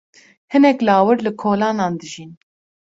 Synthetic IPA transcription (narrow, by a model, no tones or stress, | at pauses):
hɨnɛklɑːwɨɾlɨkʰoːlɑːnɑːnd̪ɨʒin